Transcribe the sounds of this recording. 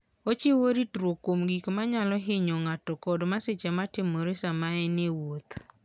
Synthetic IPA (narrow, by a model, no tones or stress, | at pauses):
ot͡ʃɪwoɾitɾwokomɡikmaɲalɔɦɪɲɔŋatɔkɔdmasɪt͡ʃamatɪmoɾesamaɛnɪwot̪